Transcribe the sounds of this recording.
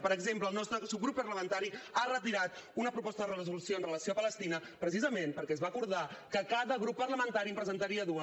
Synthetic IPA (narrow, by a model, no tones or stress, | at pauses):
pəɾəɡzempləːlˠnɔst̪ɾəsuɣɾupːərləmənt̪aɾiarət̪iɾat̪unəpɾupɔst̪əðərərəzulusioənrələsiopələst̪inəpɾəsizəmempəɾkɛzβaːkuɾðakəkaðəɣɾupːəɾləmənt̪aɾiəmpɾəzənt̪əɾiəðuə